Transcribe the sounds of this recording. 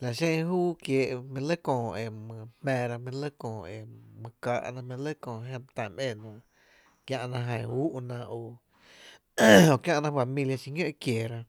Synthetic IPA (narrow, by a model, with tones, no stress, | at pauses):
la˨ʃẽ˦˧ɦuː˦kjeː˨ʔmẽ˧lə˦kɔ̃ː˧˨e˨mə̃˧hmɛ̃ː˧ɾa˧mẽ˧lə˦kɔ̃ː˨e˨mə̃˧kaː˧˨ʔnã˧mẽ˧lə˦kõː˧˨ɦẽ˧t̪ã˧˨mʔẽ˧˨nã˧ | kjã˧ʔnã˧ɦã˧˨u˦ʔnã˧o˨ | o˨kjã˦˧ʔnã˧fa˧mĩ˧lja˧ʃi˧ŋə̃˦ʔkjeː˨ɾa˧